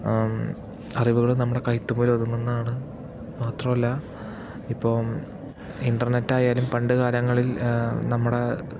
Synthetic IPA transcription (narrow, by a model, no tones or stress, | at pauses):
ɐriʋuɣɐɭunɐmːuɽe̞kɐjt̪ːumoːlɐd̪uŋːunːɐðaːɳɨ | maːt̪rɐmɐlːɐ | ipːo̞ː | inɖɐrnetːaːjaːlumpɐɳɖɨɣaːlɐŋːɐɭilnɐmːuɽe̞